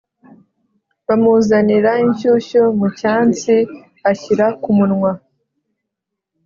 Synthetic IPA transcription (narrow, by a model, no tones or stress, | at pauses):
βamuzaniɾaiɲʃuʃomucaːnt͡si | açiɾakumunŋwa